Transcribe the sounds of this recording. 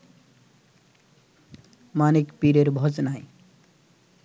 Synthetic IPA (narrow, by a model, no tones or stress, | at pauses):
manekpiɾeɾbʱʌd͡znaj